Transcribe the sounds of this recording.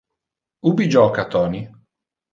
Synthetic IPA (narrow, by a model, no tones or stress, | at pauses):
ubid͡ʒɔːkat̪ɔːni